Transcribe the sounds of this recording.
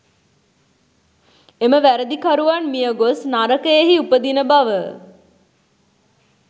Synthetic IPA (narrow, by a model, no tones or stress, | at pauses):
eməʋæɾəd̪ikaɾuʋanmijəɡosnaɾəkəjeɦiupəd̪inəbaʋə